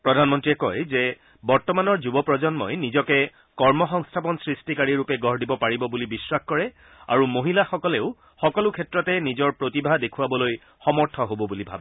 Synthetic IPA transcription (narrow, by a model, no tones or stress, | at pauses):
pɹɔdʱanmɔntɹiɛkɔjzɛ | bɔɹtɔmanɔɹzubɔpɹɔd͡ʒɔnmɔjnizɔkɛ | kɔɹmɔxɔŋstʰapɔnsɹistikaɹiɹupɛɡʱɔɹdibɔpaɹibɔbulibiswaxkɔɹɛ | a̰ɹumoɦilaxɔkɔleʊ | xɔkɔlʊkʰɛtɹɔtɛnizɔɹpɹotibʱadekʰuabɔloj | xɔmɔɹtʰɔɦobɔbulibʱa̰bɛ